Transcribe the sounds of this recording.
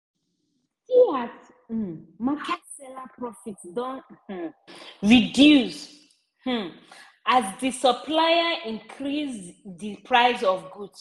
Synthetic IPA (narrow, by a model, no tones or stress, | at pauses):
siat̩ | makʰɛtsɛlapɹɔfitsdɔ̃n̩ | ɹidjus | h̩ | azdisəpʰlajəʔĩnkʰɹizðipʰɹaɪzɔvɡuds